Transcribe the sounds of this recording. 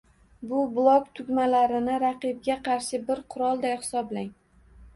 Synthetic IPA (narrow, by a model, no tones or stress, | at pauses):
bʊblˠɒkt̪ʰʊɡʲmalaɾɪnɪɾaqɨb̚ɡʲaqʰɑɾʃɪbɪɾqʰʊɾɒlˠd̪ajhɪ̥sɒblaŋ